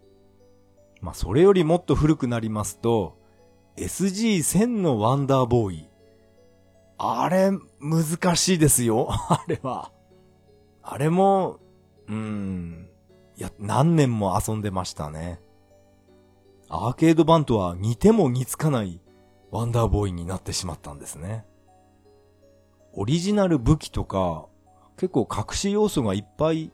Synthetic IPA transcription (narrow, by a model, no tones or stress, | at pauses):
ma̰so̞ɾe̞jo̞ɾʲimo̞t̪ːo̞ɸɯ̟ɾɯ̟kɯ̟naɾʲimasɨ̥t̪o̞ | e̞sɨʑiːsẽ̞nːo̞βãnd̪aːbo̞ːi | aɾe̞mɯ̟zɨkaɕiːd̪e̞sɨjo̞aɾe̞βa̰ | a̰ɾe̞mo̞ | ɯ̟̃ː | janã̰nːẽ̞mːo̞asõ̞nd̪e̞maɕi̥t̪a̰ne̞ | a̰ːke̞ːd̪o̞bãnt̪o̞βaɲ̟it̪e̞mo̞ɲ̟it͡sɨ̥kanai | βãnd̪aːbo̞iɲ̟inat̪ːe̞ɕima̰t̪ːã̰nd̪e̞sɨne̞ | o̞ɾʲiʑinaɾɯ̟bɯ̟kʲi̥t̪o̞ka | ke̞kːo̞ːkʰakɯ̟̥ɕijo̞ːso̞ɡaipːai